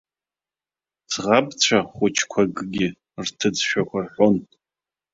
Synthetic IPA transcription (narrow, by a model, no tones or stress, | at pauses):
t͡sʰʁabt͡ɕʷʰaχʷʊt͡ʃʰkʷʰaɡɡʲɪ | rtʰɨd͡zʃᶣakʷʰarħʷon